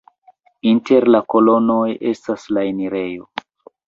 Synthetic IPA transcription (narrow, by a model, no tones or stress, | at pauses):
inte̞ɾlako̞lo̞no̞je̞staslaeniɾe̞jo̞